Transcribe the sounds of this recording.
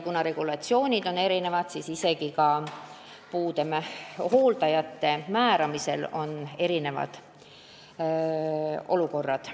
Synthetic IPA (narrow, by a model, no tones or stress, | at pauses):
kunɑɾe̞ɡ̥ulɑt̪sio̞ːnʲid̪̥o̞ne̞ɾine̞vɑd̪̥sisise̞ɡ̥ikɑ | puːd̪e̞mæhoːld̪ɑjɑt̪ːe̞mæːɾɑmise̞̰lo̞̰ne̞ɾine̞vɑ̰d̪̥ | o̞̰luko̞rːɑd̪̥